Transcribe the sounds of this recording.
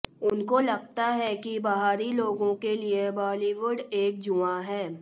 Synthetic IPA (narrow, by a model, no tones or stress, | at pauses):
ʊnkolɐɡ̚t̪aɦɛkibɐɦaːɾiloːɡõkeliebɔːliʋʊɖeːk̚d͡ʒuãɦɛː